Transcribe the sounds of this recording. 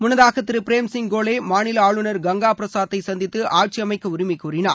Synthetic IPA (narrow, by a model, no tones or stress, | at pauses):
mʊnɐðaːɣɐt̪ːɪɾɯpɪɾeːmsɪŋɡoːleːmaːnɪlɐaːɭɯnɐɾɡɐŋɡaːpɪɾɐsaːɐt̪ːɐɪsɐnd̪ɪt̪ːɯʔaːɾ̚t͡ʃiɐmɐɪkːɐʊɾɪmɪkːuːɾɪna̰ːɾ